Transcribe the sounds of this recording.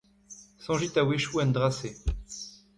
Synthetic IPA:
sɔ̃ʒit̪aweʃuɛ̃nd̪ʁase

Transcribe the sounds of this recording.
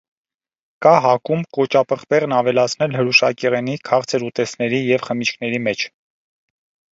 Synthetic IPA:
kɑɦɑkumkɔt͡ʃɑpəχpɛʁnɑvɛlɑt͡sʰnɛlɦəɾuʃɑkɛʁɛnikʰɑʁt͡sʰɛɾut̪ɛsnɛɾijɛvχəmit͡ʃkʰnɛɾimɛt͡ʃʰ

